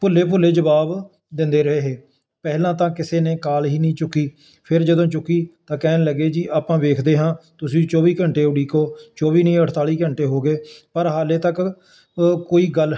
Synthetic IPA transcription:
pʊlːeːp̬ʊlːeːd͡ʒəbaːb | d̪ɪnd̪eːɾəɦeːɦeː | pɛːɦlãːt̪ãːkɪseːneːkaːlɦiːnĩːt͡ʃʊkːiː | pʰɪɾd͡ʒəd̪õːt͡ʃʊkːiːt̪ãːkɛːnləɡeːd͡ʒiːʔaːpãːʋeːkʰd̪eːɦãːt̪ʊsĩːt͡ʃɔːbiːkəɳʈeːʊɽiːkoːt͡ʃɔːʋiːnĩːəʈʰt̪aːliːkəɳʈeːɦoːɡeːpəɾɦaːleːt̪ək | koːiːɡəl

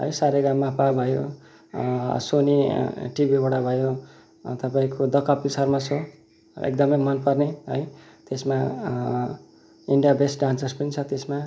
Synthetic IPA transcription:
ɦʌ̰jsaɾeɡamːapabʱʌjo | soniʈibibaɽabʱʌjo | t̪ʌpaĩkod̪ʌkʌpisʌrmat͡sʰo | ḛk̚d̪ʌmʌjmʌnpʌrneɦʌj | t̪esma | iɳɖijabesʈɖãnsʌrspʌnit͡sʰʌt̪esma

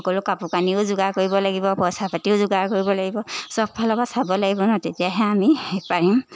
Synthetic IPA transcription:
ɔkɔlʊkapukaniʊzʊɡakoɹibɔlaɡibɔpɔjsapatiʊzʊɡaɹkoɹibɔlaɡibɔsɔb̚bʱalɔɡasabɔlaɡibɔnɔtetijaɦɛamiepaɹim

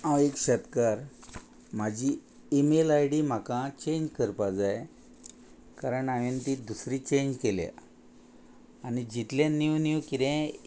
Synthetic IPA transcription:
ãwekɕət̪kaɾ | m̤ad͡ʑʱi | emelajɽim̤akãt͡ɕeɲd͡ʑkəɾpad͡zaj | kaɾəɳaʋint̪iːd̪usɾiːt͡ɕeɲd͡ʑkeljã̰ | anid͡ʑit̪lãniwniwkiɾẽ

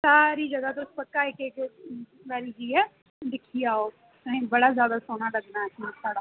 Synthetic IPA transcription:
saːɾiːd͡ʒəɡaːt̪ospəkːaːekeːk | ʋɛːɾiːd͡ʒiːɛ | d̪ɪkʰːiaːoː | əɦĩːbəɽaːzjaːd̪aːsoːnaːləɡnaːɛsnãːsaːɽaː

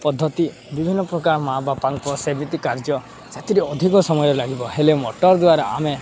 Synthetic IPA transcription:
pɔd̪ʱːɔt̪i | bibʱinːɔpɾɔkaɾɔmabapaŋkɔsemit̪ikaɾd͡ʒɔ | sat̪iɾiɔd̪ʱikɔsɔmɔjɔɾelaɡibɔɦelemɔʈɔɾd̪waɾɔame

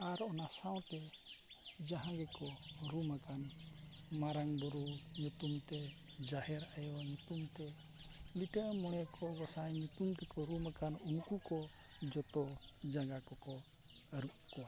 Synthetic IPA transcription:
aɾɔnasaw̃t̪ɛ | d͡ʒaɦãɡɛkɔɾumakan | maɾaŋbɔɾuɲut̪umt̪ɛ | d͡ʒahɛɾajɔaɲut̪umt̪ɛ | liʈəʔmɔɽ̃ɛkʰɔɡɔsajɲut̪umt̪ɛkɔɾumakanunkukɔ | d͡ʒɔt̪ɔ | d͡ʒaɡakɔkɔ | aɾuʔ̚kɔwa

